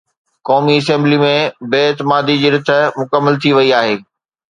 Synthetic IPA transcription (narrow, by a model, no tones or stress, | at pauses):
kɔːmiɐs̬ɛ̃ːmblimẽbeːɪt̪ɪmaːd̪id͡ʑiːɾɪt̪ʰəmʊkəmːəlt̪ʰiʋɐiaːɦeː